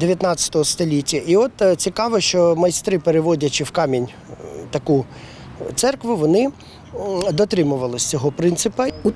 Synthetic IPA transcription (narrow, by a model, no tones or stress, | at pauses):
d̪eʋʲjɐt̪nɑt͡sʲːɐ̥t̪ɔɦɔst̪ɔlʲitʲːɐʔiɔt̪t͡sʲikɑʋɔʃt͡ʃɔmɐjst̪ɾɪpeɾeʋɔdʲɐt͡ʃɪwkɑmʲinʲ | t̪ɐku | t̪sɛrkʋʊʋɔnɪ | d̪ɔt̪ɾɪmʊʋɐlˠɪsʲt͡sʲɔɦɔpɾɪnt̪sɪpɐu